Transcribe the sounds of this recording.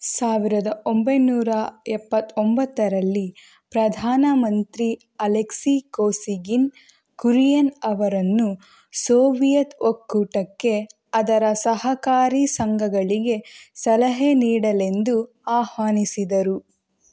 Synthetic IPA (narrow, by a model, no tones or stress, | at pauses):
saːʋiɾɐd̪ɐʔombɐjnuːɾɐɛpːɐt̪ːombɐt̪ːɐɾɐlːi | pɾɐd̪ʱaːnɐmɐnt̪ɾi | ɐleksikoːsiɡin | kuɾijɐnɐʋɐɾɐnːu | soːʋijɐt̪okːuʈɐkːe̞ | ɐd̪ɐɾɐsɐɦɐkaːɾisɐŋɡʱɐɡɐɭiɡe̞sɐlɐɦeniːɽɐle̞nd̪u | aːhʋaːnisid̪ɐɾu